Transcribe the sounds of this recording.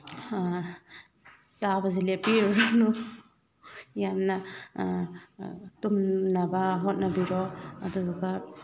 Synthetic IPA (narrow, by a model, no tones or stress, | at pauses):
sabazilepinu | jamna | tumnabaɦɔt̚nabiɾɔadudɔɡa